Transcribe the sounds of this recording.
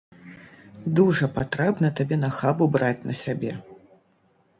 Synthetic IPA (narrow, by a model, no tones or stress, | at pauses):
d̪uʐɐpat̪ɾɛbnɐt̪abʲɛnɐxabubɾat͡sʲnɐsʲabʲɛ